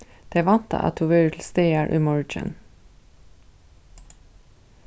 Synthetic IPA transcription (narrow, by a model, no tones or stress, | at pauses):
d̪̥eːʋɑnt̪ə̰ʔɑ̰t̪ʰʊʋœʏtʰl̩st̪eːæːɹʔʉ̰mɔɹɪd͡ʒə̰n